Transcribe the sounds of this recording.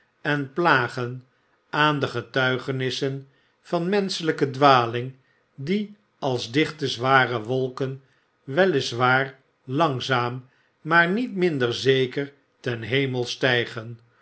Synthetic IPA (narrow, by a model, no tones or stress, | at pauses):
ɛnplaːχən | aːndəχətœɥχənɪsən | fɑnmɛnsələkədʋaːlɪŋ | di | ɑlˠzdɪχtəzʋaːrəʋolˠkən | ʋɛlɪzʋaːr | lɑŋzaːmː | aːɹnitmɪndəɹzejkəɹ | tɛnɦejməlˠstɛjχən